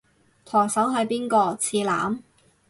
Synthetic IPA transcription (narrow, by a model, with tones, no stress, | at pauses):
t̪ʰɔː˨˩ŋsɐ˨˥wɦɐ˨˧jpiː˥nkɔː˧t͡sʰiː˧la̰ː˨˥m